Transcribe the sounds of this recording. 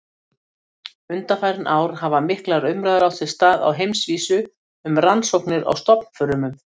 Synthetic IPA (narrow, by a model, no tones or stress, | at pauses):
ʏnt̪afaːjɾnʔaːwɾ̥havamɪhklaɾʏmɾajðɾawtθɪ̥st̪aːða̰wɦejmsviːsʏ | ʏmransowhknɪɾa̰wst̪ɔpn̥fʏɾʏmʏm